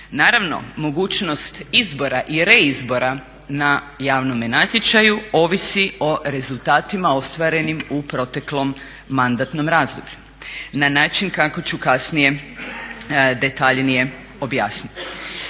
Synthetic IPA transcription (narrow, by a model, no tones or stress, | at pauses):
naːɾaʋno̞̰mo̞ɡuːt͡ʃno̞st̪izbo̞ɾaʔiɾe̞izbo̞ɾa | na | jaːʋno̞menat̪ʲjet͡ʃajuo̞ʋisio̞ɾe̞zulˠt̪aːt̪imao̞st̪ʋaɾe̞nimupɾo̞t̪e̞klo̞mː | and̪at̪no̞mɾaːzd̪obʎu | nanaːt͡ʃinkako̞t͡ɕukasnije̞ | d̪e̞t̪aʎnije̞ | o̞bjaːsnit̪i̥